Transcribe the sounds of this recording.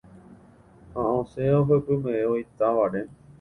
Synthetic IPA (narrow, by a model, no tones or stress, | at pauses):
hãõseaoɦəpɨmẽeoit̪aʋaɾe